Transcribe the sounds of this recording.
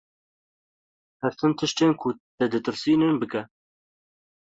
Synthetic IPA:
hɛɾt̪ʰɨnt̪ʰɨʃt̪eːnkʰut̪ɛd̪ɨt̪ɨɾsiːnɨnbɨkɛ

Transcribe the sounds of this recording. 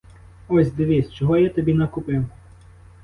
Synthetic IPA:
ɔsʲd̪ɪʋʲisʲt͡ʃɔɦɔjat̪ɔbʲinɐkʊpɪw

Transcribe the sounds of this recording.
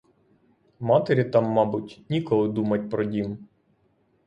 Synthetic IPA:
mɑt̪eɾʲit̪ɑmːɑbʊtʲnʲikɔlˠɪd̪umɐtʲpɾɔdʲim

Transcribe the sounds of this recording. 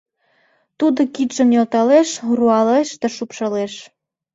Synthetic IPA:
t̪ud̪okid̪ʒə̆mjolt̪ɑleʃuruɑleʃd̪əʃupʃɤ̆leʃ

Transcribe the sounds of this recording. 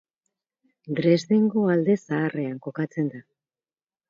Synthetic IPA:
d̪ɾe̞zðeŋɡo̞ald̪e̞saːre̞aŋko̞kat͡se̞nd̪a

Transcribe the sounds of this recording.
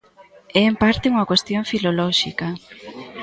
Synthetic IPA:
ɛːmpaɾt̪euŋɐkwest̪joɱfilolɔʃikɐ

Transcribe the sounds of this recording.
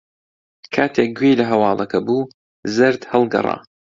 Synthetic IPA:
kʰaːt̪ʰek̚ɡwejlɐɦɐwɑːlˠɐkʰɐbuː | zɨɾd̪hɐlˠɡɐ̰rˤɑ̰ː

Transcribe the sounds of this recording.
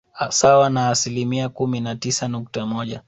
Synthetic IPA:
sawanaːsilimiakuminatisanuk̚tamɔʄa

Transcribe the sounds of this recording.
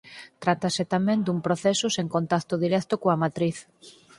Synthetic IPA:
t̪ɾat̪aset̪amẽnd̪umpɾoθɛsʊseŋkont̪akt̪ʊðiɾɛkt̪ʊkoamat̪ɾiθ

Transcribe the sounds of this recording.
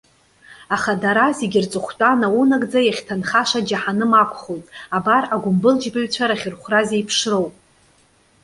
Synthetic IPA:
aχadaɾazeɡʲɪrt͡sʼɨχʷtʼanawunaɡʼd͡zajaχʲtʰanχaʃad͡ʒaħanɨmakʷʰʼχojtʼabaraɡʷʊmbɨld͡ʒbaɥt͡ɕʷʰaɾaχʲɪrχʷrazejpʰʂro̞wpʼ

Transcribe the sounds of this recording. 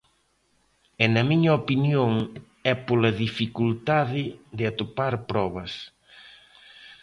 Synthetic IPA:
ɛnɐmiɲɐopinjoŋ | ɛpolɐðifikult̪aðɪðɪat̪opaɾpɾɔβɐs

